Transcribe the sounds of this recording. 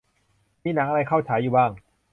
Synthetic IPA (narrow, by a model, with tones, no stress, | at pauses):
miː˧˥˩naː˩˦˥ʔa˧a˧jkʰa˥˩wt͡ɕʰaː˩˦juː˨˩baː˥˩ŋ